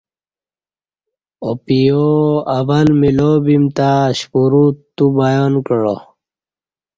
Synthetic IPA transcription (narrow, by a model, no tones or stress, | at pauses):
opijoavalmilobimt̪aɕpuɾutt̪ːubajonkəɽo̰